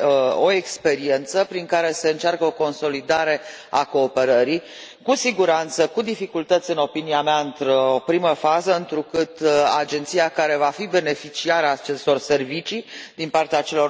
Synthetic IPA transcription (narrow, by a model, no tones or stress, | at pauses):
o̞ekspe̞ɾie̞nt̪səpɾiŋkaɾe̞seɨnt͡ʃarkəo̞ko̞nso̞lid̪aɾe̞ | a̰ko̞ːpe̞ɾəɾi | kusiɡuɾant̪səkud̪ifikult̪ət̪sʲɨno̞piniameaɨnt̪ɾopɾiməfazəɨnt̪ɾukɨt̪ad͡ʒe̞nt̪sijakaɾe̞vafibe̞ne̞fit͡ʃiaɾəaːt͡ʃe̞st̪o̞rse̞rvit͡ʃid̪inpart̪eat͡ʃe̞lo̞r